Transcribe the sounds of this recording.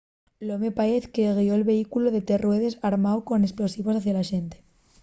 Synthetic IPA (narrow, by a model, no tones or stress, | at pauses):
lo̞mepaeθkeɣ̞io̞elβe̞ikuloðe̞t̪e̞rwe̞ðe̞saɾmaowko̞nesplo̞siβosaθjalaʃe̞nt̪e̥